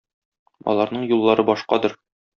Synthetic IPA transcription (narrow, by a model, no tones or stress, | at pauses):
ɒ̰lˠɑɾnɤɴjulˠːɑɾɤbɒʃqɑd̪ɤɾ